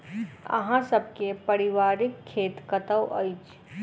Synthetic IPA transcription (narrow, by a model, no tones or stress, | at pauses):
ɐ̰ɦãsɐb̚kepɐɾɪʋaːɾɪkʰːeːt̪kɐt̪əwʔə̰ɪt͡ʃ